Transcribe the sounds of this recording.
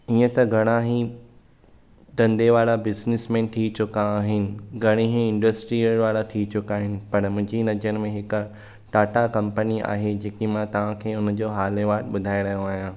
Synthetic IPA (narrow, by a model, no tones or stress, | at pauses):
iːə̃t̪ɐɡʱɐɽ̃ãɦi | t̪ɐ̃nd̪eʋaːlabɪznɪsmẽt̪ʰit͡ɕʊkaːɦɪnɪ̆ɡʱɐɽ̃eɦĩɪ̃ɳɖəsʈɾiɾʋaːɭat̪ʰiːt͡ɕʊkaːɦɪnɪ̆pɐɾəmʊ̃ɦɪ̃ɲd͡ʑinɐd͡ʑəɾɪmẽɦɪk | ʈaːʈakɐ̃mpənia̰ːɦed͡ʑeːkimãt̪ɐʋ̤ãkʰeːʊnəd͡ʑoːɦaːleʋaːʈɓʊd̪ʱaːeɾɐɦijõaːɦijãː